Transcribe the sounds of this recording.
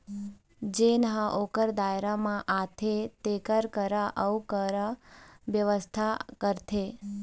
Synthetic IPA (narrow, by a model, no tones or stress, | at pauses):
d͡ʒenəɦəʔokəɾd̪ajɾamãʔat̪ʰet̪ekəɾkəɾaʔəkəɾaʋjəʋəst̪ʰakəɾt̪ʰe